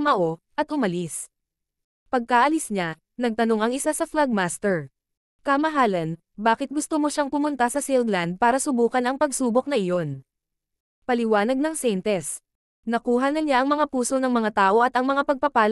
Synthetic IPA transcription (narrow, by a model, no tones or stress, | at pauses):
mɐʔo̞ | ʔɐt̪ʔʊmɐlis | pɐɡ̚kaʔɐlɪsɲa | nɐɡ̚t̪ɐno̞ŋɐŋɪsasɐflaɡ̚maːst̪ɛɹ | kɐmɐɦaːlɐn | baːkɪt̪̚ɡʊst̪omoʃaŋpʊmʊnt̪asɐsɪlɡland̪̚paːɾɐsʊbuːkɐnɐŋpɐɡsuːbok̚nɐʔɪjo̞n | pɐlɪwaːnɐɡ̚nɐŋsɛjnt̪ɛs | nɐkuːɦɐnɐɲaʔɐŋmɐŋapuːsonɐŋmɐŋat̪aːʔo̞ʔɐt̪ɐŋmɐŋapɐɡ̚pɐpaːl